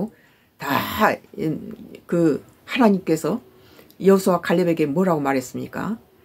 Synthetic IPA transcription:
ta | kɯ | hanaɲimk͈e̞sʰʌ | jʌsʰowakaʎːebe̞ɡe̞mwʌɾaɡomaɾɦe̞s͈ɯmɲik͈a̰

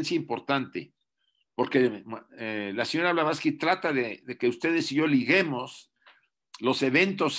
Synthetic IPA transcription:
nsjaimpo̞ɾt̪ant̪e̞̰ | po̞ɾke̞elaseɲo̞ɾaβlaβaskit̪ɾat̪aðe̞ðe̞ke̞ust̪e̞ð̞e̞siʝo̞liɣe̞mo̞s | lo̞se̞βe̞nt̪o̞s

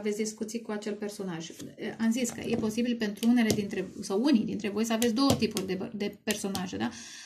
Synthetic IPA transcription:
ave̞t̪ʲd̪iskut̪sijkuat͡ʃe̞lpe̞rso̞naʒʔamziskə̰jʔe̞po̞sibilpe̞nt̪ɾuune̞le̞d̪int̪ɾe̞sawunijd̪int̪ɾe̞vo̞jsəavesʲd̪o̞ət̪ipurʲd̪ed̪e̞pe̞rso̞naʒe̞d̪a

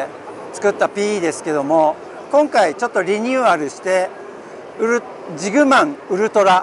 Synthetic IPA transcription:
t͡sɨ̥kɯ̟t̪ːapʲiːd̪e̞sɨ̥ke̞d̪o̞mo̞ | kõ̞ŋkait͡ɕo̞t̪ːo̞ɾʲiɲ̟ɯːaɾɯ̟ɕi̥t̪e̞ | ɯ̟ɾɯ | d͡ʑiɡɯ̟mãŋ̃ɯ̟ɾɯ̟t̪o̞ɾa

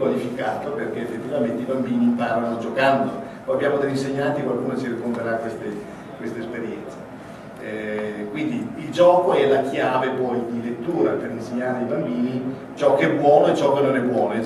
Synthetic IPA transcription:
walifikaːt̪operk̟eːfːet̪ːivament̪eibambiːnimpaːɾanod͡ʒokand̪opɔjabːjaːmod̪eʎːinseɲːant̪ikwalkuːnosirikːont̪eɾakːwest̪e | kwest̪espeɾjɛnt̪sa | ɛkwind̪iild͡ʒɔːkoɛlakjaːvepɔjd̪ilet̪ːuːɾaperinseɲːaːɾeaibambiːni | t͡ʃɔkːeɛbwɔːnoet͡ʃːɔkːenːonɛbwɔːno

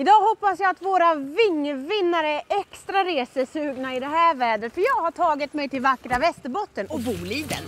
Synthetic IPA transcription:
ɪd̪ɑːhɔpːasjaat̪voːɾavɪŋːvɪnːaɾəɛʔɛkst̪ɾaɾeːsəsʉːɡnaɪd̪ɛɦæːɾvæːɖ̪ət̪fœjɑːɡhaʈʰɑːɡɪt̪mɛjt̪ʰɪlvakːɾavɛst̪əbɔt̪ːənɔbuːliːd̪ə̰n

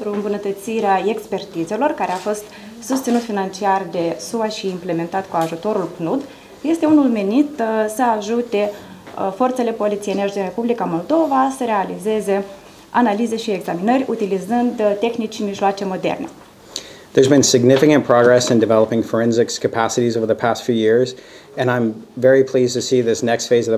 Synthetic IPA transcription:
t̪ɾuɨmbunət̪ət̪siɾeae̞kspe̞rt̪ize̞lo̞rkaɾe̞afo̞st̪ | sust̪sinut̪finant͡ʃiard̪e̞suaʃiːmple̞me̞nt̪at̪kuaʒut̪o̞ɾulknud̪ | je̞st̪e̞unulme̞nit̪səaʒut̪e̞fo̞rt̪se̞le̞po̞lit̪sijeneʃd̪inre̞publikamo̞ld̪o̞vasəɾe̞alize̞ze̞ | analize̞ʃie̞ɡzaminərʲut̪ilizɨnd̪t̪e̞xnit͡ʃːimiʃloat͡ʃe̞mo̞d̪e̞̰rne̞̰ | ðə˞zbɨ̃nsɨɡ̚nɪfɨkɨ̃npʰɹ̥ɑɡɹɛsɨ̃ndɨvɛlˠəpɪ̃ŋfə˞ɛ̃nzɨkskʰɨpʰæsɨɾizoʊvə˞ðəpʰæstfjʉjɪɹz | ɨ̃ñãɪ̃ɱvɛɹipʰl̥iztʰɨsiðɪsnɛkstfeɪzʌə

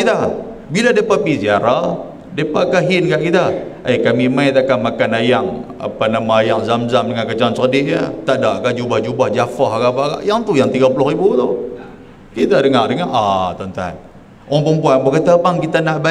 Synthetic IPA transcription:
it̪a | biladapapisiaɾa | depaʔkaɦɪnkaʔkit̪aəjkamimajt̪akamakanajaŋ | a̰panamaːjaŋzamzamdəŋankət͡ʃaŋansəkədɪʔjat̪aʔdaʔkad͡ʒubahd͡ʒubahd͡ʒafaɦkapaʔka̰ʔjaŋt̪ujaŋt̪iɡapulʊhribut̪u | kit̪adəŋaʔdəŋaʔat̪ənt̪a̰n | oaŋpəmpuanbakət̪apaŋkit̪anahba

